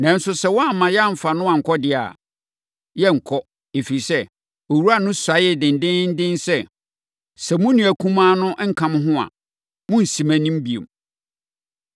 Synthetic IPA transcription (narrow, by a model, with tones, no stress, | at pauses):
nã˨n̩˦sʊ˦sɛ˦wɔ̃˦a˦˨mːã˨jɛ˦a˦˨m̩˨fa˨nʊ̃˦ã˨ŋ̩˨kʰɔ˦dɪ˦a̰˨ | jɛ˦ŋ̩˨kʰɔ˦ | e˨fi˨ɾi˨sɛ˦ | o˨wu˦a˦nʊ̃˦sa˨˦jɛ˦˨dɪ̃˨n˨dɪ̃˦n̩˦dɪ̃˦n˦sɛ˦ | sɛ˨mʊ̃˦nĩ˨æ˨kʰũ˦mãː˦nʊ̃˦ŋ̩˦kʰã˦m˦ɦʊ̃˦a̰˨ | mʊ̃˦n̩˨si˨mæ̃˨nĩ˦m˦bi˨ḛ˨m